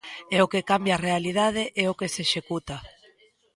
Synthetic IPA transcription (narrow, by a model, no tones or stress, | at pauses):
ɛokekambjaːrealiðað̞eʔɛokeseʃekut̪a